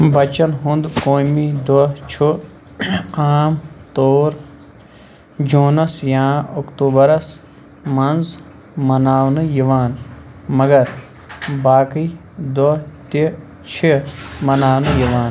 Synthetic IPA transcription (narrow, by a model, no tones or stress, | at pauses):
bɐt͡ʃɐnɦũnd̪koːmid̪ot͡ʃʰu | aːmt̪oːɾ | d͡ʒuːnɐsjãːokt̪uːbɐɾɐs | mɐnz | mɐnaːwnɨjiʋaːnmɐɡɐɾ | baːki | d̪ot̪i | t͡ʃʰimɐnaːwnɨjiʋaːn